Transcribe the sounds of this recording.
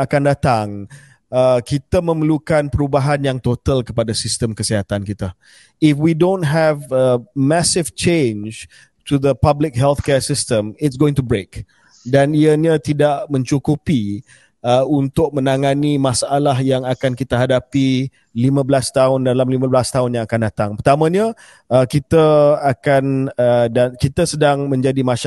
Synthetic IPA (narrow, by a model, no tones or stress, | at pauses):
akandat̪aŋ | əkit̪amə̃məlukanpəɾubaɦanjaŋt̪ot̪əlkəpadasist̪əmkəsiɦat̪ankit̪a | ɪfwidõntɦɛvəmasɪvt͡ʃẽnd͡ʒ | tuðəpablɪk̚ɦɛlt̪kɛsɪstə̃mɪtsɡoɪ̃ŋtubɾek | daniəɲãt̪idaʔmə̃ɲt͡ʃukupi | əunt̪ʊk̚mə̃naŋãnimasaʔalaɦjaŋakankit̪əɦadapi | limãbəlast̪aʊndalamlimãbəlast̪aɦʊnjãŋakandat̪aŋpət̪amə̃ɲã | əkit̪əakanədakit̪əsədaŋmə̃ɲd͡ʒadimaʃ